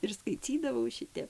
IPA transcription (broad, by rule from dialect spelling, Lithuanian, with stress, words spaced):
ɪr skɐɪˈt͡sʲiːdɐʋɐʊ ˈʃʲɪtʲɛp